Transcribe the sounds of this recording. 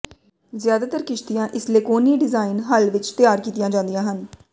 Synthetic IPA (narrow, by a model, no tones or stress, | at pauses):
zjaːd̪aːt̪əɾkɪʃt̪ijãːʔɪsleːkoːniːɖɪzaːɪnɦəlʋɪt͡ʃt̪ɪjaːɾkiːt̪ijãːd͡ʒãːnd̪ijãːɦən